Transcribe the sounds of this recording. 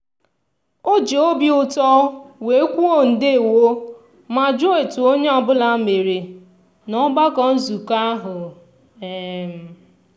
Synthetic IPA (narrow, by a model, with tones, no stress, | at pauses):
o˦d͡ʒe˨o˦bjʊ˨tɔ˦we˨˦kʷu˦o˦˨n̩˨de˦e˨wo˦ | ma˨d͡ʒo˦e˨tu˨o˦ɲe˦ɔ˨bʊ˦la˦me˨ɾe˨ | nɔ˦ɡ͡ba˦kɔ˦˨n̩˦zu˨ka˦ɦʊ˨ | e˨m̩˨